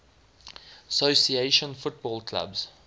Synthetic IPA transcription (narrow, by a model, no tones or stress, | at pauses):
əsosieʃə̃nfʊt̚bɔːlˠkʰla̰bz̥